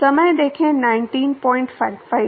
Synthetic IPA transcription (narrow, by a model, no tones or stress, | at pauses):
sɐməjd̪eːkʰẽnaːɪ̃nʈiːnpɔːɪ̃ɳʈfaɪfa